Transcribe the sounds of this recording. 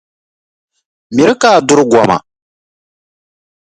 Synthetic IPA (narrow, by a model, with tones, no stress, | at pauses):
mi˨ɾɨ˦kaː˦˨dʊ˦ɾɡʷɔ˨ma̰˨